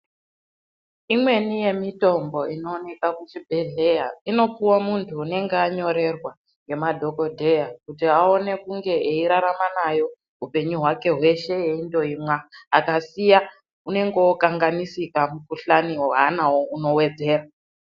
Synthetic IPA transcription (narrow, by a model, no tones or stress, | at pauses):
imwe̞nije̞mito̞mbo̞ino̞ːne̞kakut͡ʃibʱe̞ɮe̞jaino̞puwamuntʰuːne̞ŋɡeaɲo̞ɾe̞rwa | je̞madʱo̞ko̞dʱe̞jakutiao̞ne̞kuŋɡe̞ʔeiɾaɾamanajo̞ | ɦupe̞ɲuɦwake̞ɦwe̞ʃe̞eindo̞imwaːkasija | une̞ŋɡeːkaŋɡanisikamukuɬaniwoɦanawouno̞we̞d͡ze̞ːra